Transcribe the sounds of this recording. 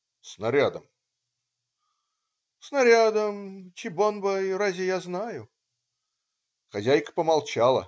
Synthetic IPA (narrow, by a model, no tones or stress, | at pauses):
snɐɾʲad̪əm | snɐɾʲad̪əmt͡ɕɪbonbəjrazʲɪjaznajʊ | xɐzʲæjkə̥pəmɐlˠt͡ɕalˠə̰